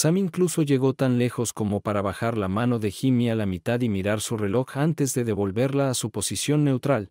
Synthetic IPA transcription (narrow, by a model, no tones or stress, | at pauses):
samiŋkluso̞ʝe̞ɣo̞t̪anle̞xo̞sko̞mo̞paɾaβaxaɾlamano̞ðe̞ximialamit̪aðimiɾaɾsure̞lo̞xant̪e̞zðe̞ðe̞βo̞lβe̞ɾlaːsupo̞sisjo̞nːe̞wt̪ɾal